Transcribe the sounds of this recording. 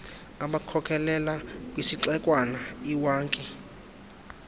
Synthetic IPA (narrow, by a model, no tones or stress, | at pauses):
aɓakʰɔkʰɛlɛlakwisiǁɛkʼwanaiwaːŋkʼi